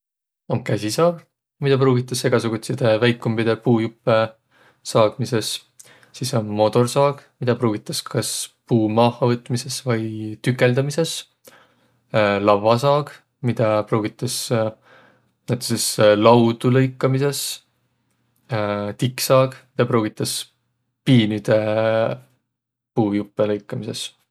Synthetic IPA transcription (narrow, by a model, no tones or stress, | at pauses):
omkæsʲisɑːɡ̥ | mid̪̥ɑp̬ruːɡit̪ːˑɑse̞ɡ̥ɑsuɡ̥ut̪sid̪evæjkːˑumbid̪̥epuːjupːˑe | sɑːɡ̥mise̞s | siso̞mːo̞t̪o̞rsɑːɡ̥mid̪ɑpruːɡ̥it̪ːˑɑskɑspuːmɑːhɑvɤt̪ːˑmise̞svɑjt̪ykːˑe̞ld̪ɑmise̞s | lɑvɑsɑːɡ | mid̪̥ɑproːɡ̥it̪ːˑɑs | næt̪e̥seslɑwd̪ulɤjkːˑɑmise̞s | t̪ikːsɑːɡmid̪̥ɑproːɡit̪ːˑɑs | piːnid̪̥e̞ | puːjupːˑelɤjkːˑɑmise̞s